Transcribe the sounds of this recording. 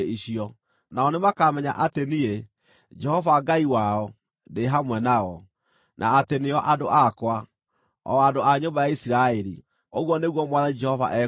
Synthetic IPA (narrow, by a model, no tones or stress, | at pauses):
iɕiɔ | naɔnemakamɛɲaʔatenie | d͡ʒɛhɔvaɡaiwaɔ | deɦamwɛnaɣɔ | nʔa̰ːteneɔʔadoʔakwa | ɔ̰adoaɲombajaisiɾaɛɾḭ | oɣwɔneɣwɔmwaðad͡ʒɛhɔva̰ʔɛ